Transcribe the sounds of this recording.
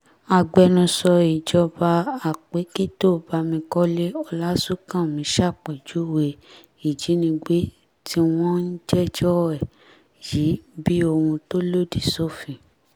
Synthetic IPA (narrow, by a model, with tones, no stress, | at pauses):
a˧˨ɡ͡bɛ˧nũ˧sɔ˧i˨d͡ʒɔ˧ba˧a˨k͡pe˨˦ke˦to˦˨ba˧mĩ˧kɔ˦le˦ɔ˧la˦su˦kã˦˨mĩ˨˦ʃa˦˨k͡pe˨d͡ʒu˨˦˨we˧ | i˨d͡ʒi˨˦nĩ˧ɡ͡be˦ | tʰi˦w̃ɔ̃˦n̩˦d͡ʒɛ˦d͡ʒɔ˦ɛ˦˨ | ji˨˦bi˦o˧hũ˧to˦lo˦di˦˨so˦˨fĩ˧